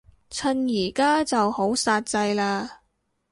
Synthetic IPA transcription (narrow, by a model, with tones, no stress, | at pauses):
t͡sʰɐ˧njiː˨˩kaː˥t͡sɐ˨who˨˥wsaː˧t̚t͡sɐ˧jlaː˧